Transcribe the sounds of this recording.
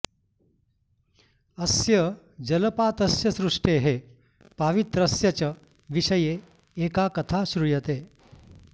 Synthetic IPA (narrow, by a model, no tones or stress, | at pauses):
ɐsjɐ | d͡ʒɐlɐpaːt̪ɐsjɐsɾuʂʈeːɦe | paʋit̪ɾɐsjɐt͡ʃɐ | ʋiʃɐjeː | kaːkɐt̪ʰaːsɾujɐt̪eː